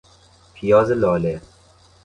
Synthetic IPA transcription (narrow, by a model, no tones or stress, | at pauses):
pʰijɔːzelɔːle